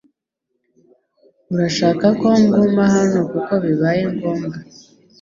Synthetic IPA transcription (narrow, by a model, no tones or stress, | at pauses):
uɾaʃaːkako̞ŋɡoːmbaɦano̞kuko̞βiβajeŋɡoːmba